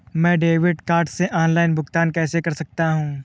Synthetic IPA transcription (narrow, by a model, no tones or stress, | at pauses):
mɛ̃ːɖeːʋɪɖkaːɾɖseʔɔːnlaːɪnbʱʊɡt̪aːnkɛːsekɐɾsɐk̚t̪aɦũː